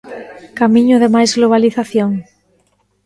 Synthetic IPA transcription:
kamĩɲʊðemajzɣloβ̞aliθaθjoŋ

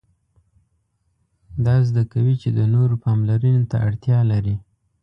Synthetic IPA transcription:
d̪ɑzd̪akawit͡ʃed̪ənoɾopɑmlaɾənot̪a̰aɽt̪jɑlaɾi

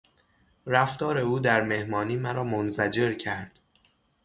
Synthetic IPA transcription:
ɾæft̪ɒːɾe̞uːd̪æɾme̞hmɒːniːmæɾɒːmonzæd͡ʒe̞ɾcʰæɾd̪̥

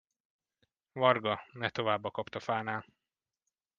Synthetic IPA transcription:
vɒrɡɒnɛt̪o̞vaːbːɒkɒpt̪ɒfaːnaːl

